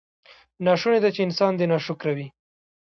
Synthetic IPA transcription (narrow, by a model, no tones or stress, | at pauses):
nɑʃuned̪at͡ʃeɪnsɑnd̪enɑʃʊkɾawi